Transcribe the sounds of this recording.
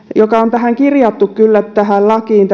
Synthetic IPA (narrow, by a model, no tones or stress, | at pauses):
jokɑont̪æhæŋkirjɑt̪ːukkylːæt̪t̪ːæhællɑkiːnt̪